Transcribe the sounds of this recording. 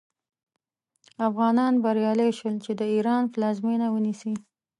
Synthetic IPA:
afɣɑnɑnbaɾjɑlejʃəlt͡ʃed̪əiɾɑnplɑzmenawənisi

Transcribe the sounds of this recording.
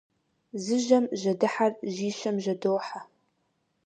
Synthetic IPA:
zɨʒɐmʒɐdɨħarʒiːʃɐmʒɐdoːħa

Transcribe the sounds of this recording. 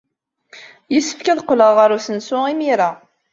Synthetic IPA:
jəsːə̥fkæðqːləʁːəɾusənsʊimiɾa

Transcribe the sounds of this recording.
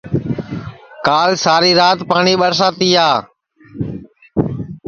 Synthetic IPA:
kaːlsaːɾiːɾaːt̪paːɳiːɓəɾs̬aːt̪iːaː

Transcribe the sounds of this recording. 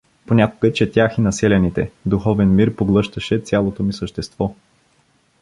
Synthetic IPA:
ponʲakʊɡət͡ʃɛt̪ʲaxinɐsɛlʲɛnit̪ɛ̰d̪uxɔvɛnmiɾpoɡlˠɤʃt̪əʃɛt̪sʲjalˠot̪omisəʃt̪ɛst̪vɔ

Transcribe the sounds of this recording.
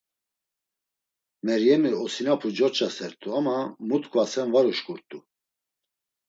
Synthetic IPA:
mɛɾjɛmiɔsinapʰud͡ʒɔt͡ʃʼasɛɾt̪ʰʼuamamut̪ʼkʰʼvasɛnvaɾuʃkʼuɾt̪ʼu

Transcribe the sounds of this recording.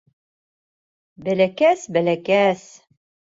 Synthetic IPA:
bælækæsbælækæs

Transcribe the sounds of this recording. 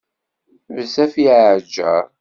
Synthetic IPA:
vəsæfiʕəʕd͡ʒːə̰ɾˤ

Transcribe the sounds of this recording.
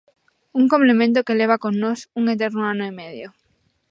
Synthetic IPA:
uŋkomplemẽnt̪̬okeleβ̞akoŋnosuŋet̪̬eɾnoanoimeðjo

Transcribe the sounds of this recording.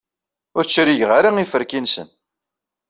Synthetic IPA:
ʊɾt͡ʃːɾiʝʁaɾaifəɾkinsən

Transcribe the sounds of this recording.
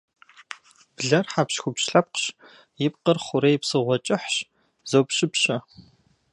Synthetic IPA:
b̥ɮɐrħapɕxʷʊpɕɬɐp̚qɕ | jɪpqərχʷʊɾejpsɨʁʷɔt͡ʃʼɪħɕ | z̥owpɕɪpɕɐ

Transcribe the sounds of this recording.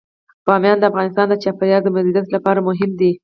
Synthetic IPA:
pɑmjɑnd̪əafɣɑnɪst̪ɑnd̪ət͡ʃɑːpaɾjɑɡ̪̚d̪əmazidjat̪lapɑɾamʊɦɪmd̪i

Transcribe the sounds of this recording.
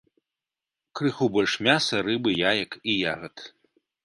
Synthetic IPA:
krɨxubɔlʲʂmʲasɐrɨbɨjajɐkijaɣɐt̪

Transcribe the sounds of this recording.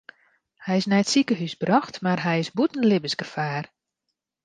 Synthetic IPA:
hɛjɪsnɛjətsikəɦysbrɔxtmarɦɛjɪsbutn̩lɪbəsɡəfaːr

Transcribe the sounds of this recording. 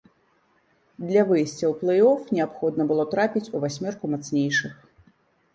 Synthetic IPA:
d̪lʲɐvɨjsʲt͡sʲɐwplˠɛjɔfnʲɛapxɔd̪nɐbɨlˠɔt̪ɾapʲit͡sʲuvasʲmʲɛrkumat̪snʲejʂɨx

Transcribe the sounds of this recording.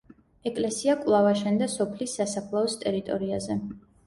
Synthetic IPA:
ɛkʼlɛsiakʼlˠavaʃɛnd̪asɔpʰlisːasapʰlˠaɔst̪ʼɛɾit̪ʼɔɾiazɛ

